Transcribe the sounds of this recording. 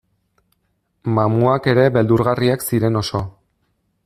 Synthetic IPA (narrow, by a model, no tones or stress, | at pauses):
mamuake̞ɾe̞βe̞ld̪uɾɣariaksiɾe̞no̞so̞